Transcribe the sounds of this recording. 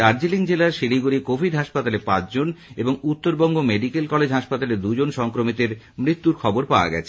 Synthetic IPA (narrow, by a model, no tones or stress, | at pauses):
aɾd͡ʑiliŋd͡ʑelaɾʃiliɡuɾikobʱidɦaʃpat̪alepãt͡ɕd͡ʑoneboŋut̪ːoɾbɔŋɡomeɖikelkɔled͡ʑɦaʃpat̪aled̪ud͡ʑonʃɔŋkɾomit̪eɾ | mɾit̪ːuɾkʰɔboɾpaoa̰ɡɛ̰t͡ɕʰe̥